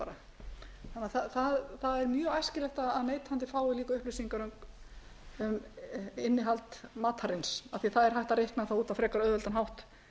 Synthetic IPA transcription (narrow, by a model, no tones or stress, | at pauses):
aɾa | θanːaθaθaðθaðɛɾmjœajscɪlɛht̪aðaðneːjt̪hant̪̬ɪfaːwɪliːkʏʏhplʏɥsiŋkaɾœmk | ʏmɪnːɪɦalt̪maːt̪haɾɪnsaθiθaðɛɾhajht̪aɾejhknaθauːt̪avfɾɛːkaɾœːðœlt̪anɦawht̪